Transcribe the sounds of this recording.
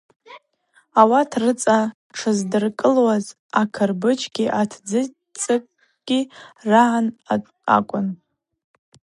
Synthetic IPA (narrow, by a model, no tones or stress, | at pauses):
awatʰrɨt͡sʼa | ʈ͡ʂʰɨzdɨrkʼɨlwaz | akʰɨrbɨt͡ʃʰɡʲiʔatʰd͡zɨ | t͡sʼɨkʼ | ɡ̥ʲiraʕan | a̰kʷʼʊn